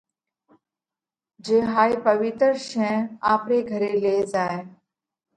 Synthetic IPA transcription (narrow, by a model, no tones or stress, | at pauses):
d͡ʒeːɦaːipɐʋɪt̪ɾʃɛ̃aːpɾeɡʱɐɾeleːzaːe